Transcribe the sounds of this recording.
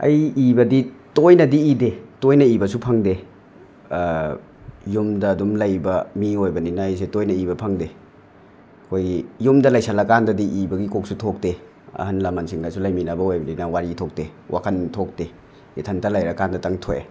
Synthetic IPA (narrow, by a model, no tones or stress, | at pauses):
ɐ̰jibɐditojnɐdiidetojnɐibɐsupʰɐŋde | jumdɐːdumlɐjbɐmiojbɐninɐːjs̬etojnɐibɐpʰɐŋde | ɐkʰojɡijumdɐlɐjsalɐkandɐdiʔibɐɡikok̚sutʰok̚te | ɐ̰hɐnlɐmɐnsiŋlasulɐjminɐbɐojbɐninɐwaɾitʰok̚tewʔa̰kʰɐntʰok̚te | itʰɐntɐlajɾɐkandɐtɐŋtʰojḛ